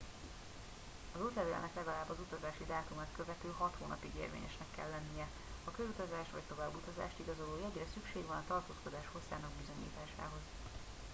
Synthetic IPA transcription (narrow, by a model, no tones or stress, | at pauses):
ɒzut̪lɛvelɛ̰nɛklɛɡɒlaːbːɒzut̪ɒzaːʃid̪aːt̪umaːt̪̚køvɛt̪øːɦɒt̪hoːnɒ̰piɡḛːrvḛːɲɛ̰ʃnɛkːɛ̰lːɛnːijɛ | ɒkøzut̪ɒzaːʃt̪vɒ̰ct̪o̞vaːbːut̪ɒza̰ːʃt̪iɡɒzo̞loːjɛɟrɛsykʃeːɡʋɒnɒt̪ɒrt̪oːsko̞d̪aːʃho̞sːa̰ːnɒɡbizo̞ɲḭːt̪aːʃa̰ːɦo̞z